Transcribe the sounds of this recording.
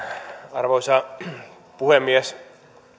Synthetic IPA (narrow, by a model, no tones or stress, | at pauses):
ɑrʋoisɑ | puhemːiæs